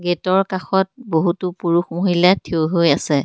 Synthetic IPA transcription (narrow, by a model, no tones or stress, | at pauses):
ɡetɔɹkaxɔt̚boɦutupuɹuxmoɦilatʰioɦojasɛ